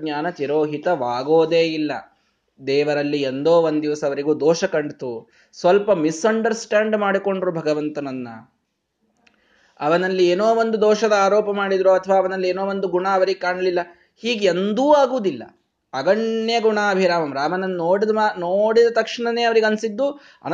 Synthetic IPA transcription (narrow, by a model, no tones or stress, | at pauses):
ɲaːnɐt͡ʃ̪iɾoːɦit̪ɐʋaːɡoːd̪eːilːɐ̰ | d̪ɛːʋɐɾɐlːiend̪oːʋond̪d̪iʋɐsɐːʋɐɾiɡuːd̪ɔːʃɐkɐɳɖt̪u | sʋɐlpɐmisɐɳɖɐɾsʈaːɳɖmaːɽiko̞ɳɖɾuːbʱɐɡɐʋɐnt̪ɐnɐnːɐ̰ | ɐʋɐnɐlːieːnoːʋond̪ud̪ɔːʂɐd̪ɐaːɾɔːpɐmaːɽid̪ɾuɐt̪ʰɐʋaːɐʋɐnɐlːieːno̞ːʋond̪uɡuɳaːɐʋɐɾiɡekaːɳɐlilːɐ | hiːɡend̪uːaːɡuːd̪ilːɐ̰ | ɐɡɐɳjɐɡuɳaːbʱiɾaːmɐmɾaːmɐnɐnːnoːɽid̪ɐanoːɽid̪ɐt̪ɐkʂiɳɐne̞ːɐʋɐɾiɡɐnsid̪ːu | ɐ̰n